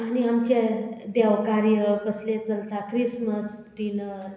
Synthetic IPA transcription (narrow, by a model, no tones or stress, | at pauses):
añiamt͡ɕed̪ɛʋkaɾjəkəslet͡səlt̪akɾisməs | ʈinəɾ